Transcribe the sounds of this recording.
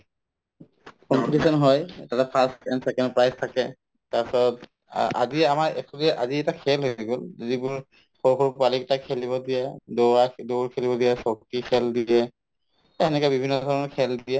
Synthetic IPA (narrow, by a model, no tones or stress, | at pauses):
kɔmpitisɔnɦɔjtatɛpʰastɛnsɛkɔndpɹajstʰakɛ | tapsɔt | a̰ziamaɹɛkʰɔdiɛʔaziɛtakʰɛlɦoɡolzibʊɹ | xoɹkʰɔɹpaliktakʰːeliβɔdijɛdoadoɹkʰelibɔdijɛsok̚tikʰɛldiɛ | ɛnɛkɔbibʱinːɔdʱɔɹɔnɔkʰɛldiɛ